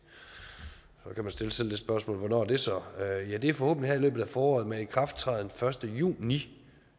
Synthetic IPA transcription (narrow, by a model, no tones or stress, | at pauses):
sɒ̽kʰæmænsd̥e̝ləse̝ld̥e̝sb̥ɶɐsmɔ̰ːlʋɒnɒ̰ːɐd̥e̝sɒjæd̥e̝æɐfɒ̽ho̰ːb̥ənlihæɐilø̰ːb̥ð̩ˠæfɒːɒ̰ːð̩ˠmeikʰʁɑ̈fd̥t͡sʰʁɑ̰ðˠn̩fɶɐsd̥əjṵːni